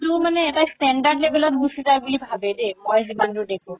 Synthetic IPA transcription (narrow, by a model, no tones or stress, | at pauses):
tʊmanɛːtastɛndadlebɛlɔt̚busizajbulibʱabɛdemojzibantʊdekʰũ